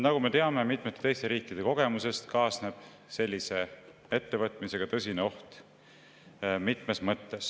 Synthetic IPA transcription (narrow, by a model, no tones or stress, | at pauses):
nɑɡume̞t̪e̞ɑme̞mit̪ˑmet̪ːˑet̪e̞jst̪e̞ɾiːkːˑid̪e̞ko̞ɡ̥e̞muse̞st̪kɑːsne̞b̥ | se̞lʲːise̞ | e̞t̪ːe̞vɤt̪ˑmise̞ɡ̥ɑt̪ɤs̬ʲineo̞ht̪ | mit̪ˑme̞smɤt̪ːe̞s